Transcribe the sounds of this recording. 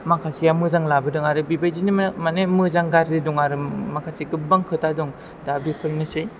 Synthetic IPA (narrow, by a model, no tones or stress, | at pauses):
makʰasijamɯzaŋlabɯdɯŋaɾɯbibajzinimmanemɯzaŋɡaɾzidɔŋaɾɯmakʰasikɯbaŋkʰɯtadɔŋ | dabipʰɯɾnɯsɯj